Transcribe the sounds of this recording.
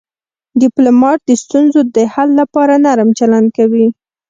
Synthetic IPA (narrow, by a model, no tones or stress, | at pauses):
ɖɪplomɑʈ̚d̪əst̪unzod̪əhalːapɑɾanaɾmt͡ʃaland̚kawi